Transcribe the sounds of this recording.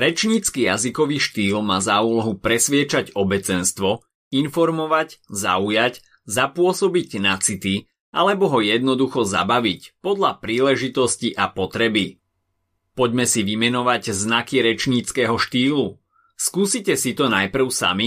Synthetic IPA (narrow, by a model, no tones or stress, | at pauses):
ɾɛt͡ʃɲit͡skijazikɔʋiːʃt̪iːlmaːzauːlɔɦupɾɛsʋɪɛt͡ʃaɟɔbɛt͡sɛnst̪ʋɔ | infɔɾmɔʋacza̰ujac | zapʊɔsɔbiɟnat͡sit̪i | ʔa̰lɛbɔɦɔjɛd̪nɔd̪uxɔza̰baʋicpɔd̪ʎapɾiːlɛʒit̪ɔsciʔapɔt̪ɾɛbi | pɔɟmɛsiʋimɛnɔʋaɟznakiɾɛt͡ʃɲit͡skɛːɦɔʃt̪iːlu | skuːsicɛsit̪ɔnajpr̩ʊsa̰mi